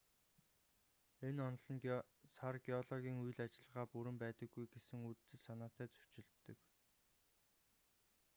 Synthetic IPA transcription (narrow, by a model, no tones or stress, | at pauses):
enɔnɮɞ̆n | sarɡiɔɮɔɣʲiːŋuj̆ɮat͡ɕɪ̆ɮə̆ʁaːpuɾɘ̆mpæːt̪ə̆ɡːujɡesɘ̆ŋutt͡sɘ̆ɮsanaːt̪æːt͡sɵ̥t͡ɕɪ̆ɮt̪ːɵ̆k